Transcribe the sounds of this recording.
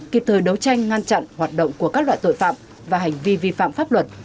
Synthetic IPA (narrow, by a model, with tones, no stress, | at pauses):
ki˨˩p̚t̪ʰəː˨˩jɗə˨˦wt͡ɕa˧jŋ̟ŋa˧nt͡ɕa̰˧˨nhwaː˨˩t̚ɗə̰˧˨wŋ͡mku˧˩əkaː˦˥k̚la̰ː˧˨jt̪o̰˧˨jfa̰ː˧˨m | vaː˨˩ɦa˨˩jŋ̟vi˧vi˧fa̰ː˧˨mfaː˦˥p̚lwə˨˩t̚